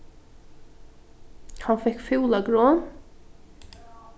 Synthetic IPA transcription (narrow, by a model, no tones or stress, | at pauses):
hanfɛhkfɪwlaɡɾɔːn